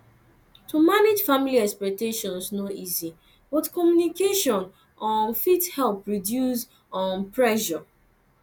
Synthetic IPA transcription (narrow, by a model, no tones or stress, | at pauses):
tumaned͡ʒfamiliɛkspɛk̚teʃɔ̃nsnoʔizi | bɔtkɔmjunikeʃɔ̃n | ɔ̃nfithɛlpɹidjuz | ɔ̃npɹɛʃɔ